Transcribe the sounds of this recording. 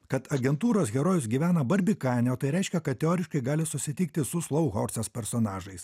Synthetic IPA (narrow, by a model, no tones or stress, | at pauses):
kɐt̪ɐɡʲɛnt̪uːɾoːsɣʲɛɾoːjʊsɡʲiːʋʲæːnɐbɐɾʲbʲikɑɪnʲɛoːt̪ɐɪɾʲɛɪʃʲkʲɛkɐt̪̚t̪ʲɛoːɾʲɪʃkɐɪɡɑːlʲɪsʊsʲɪt̪ʲiːkt̪ʲɪsʊslˠɐʊɣoːɾʲsʲɛspʲɛɾsoːnɑːʒɐɪs